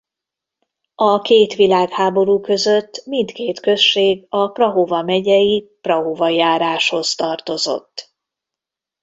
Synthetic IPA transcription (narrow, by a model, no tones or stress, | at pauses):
ɒkeːt̪ʋilaːɡhaːbo̞ɾuːkø̞zø̞t̪ːmint̪keːt̪kø̞ʃːeːɡɒprɒɦovɒmɛɟɛjiprɒɦovɒjaːɾaːʃho̞zt̪ɒrt̪o̞zo̞̰t̪ː